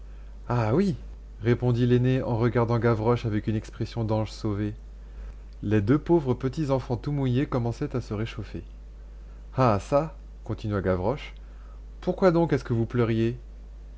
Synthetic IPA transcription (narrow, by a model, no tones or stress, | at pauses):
awi | ʁepɔ̃d̪ileneɑ̃ʁəɡaʁd̪ɑ̃ɡavʁɔʃavɛkynɛkspχesjɔ̃d̪ɑ̃ʒsove | led̪øpovʁəpət̪izɑ̃fɑ̃t̪umujekɔmɑ̃sɛt̪asəʁeʃofe | asa | kɔ̃t̪inɥaɡavʁɔʃ | puʁkwad̪ɔ̃kɛskəvuplœʁje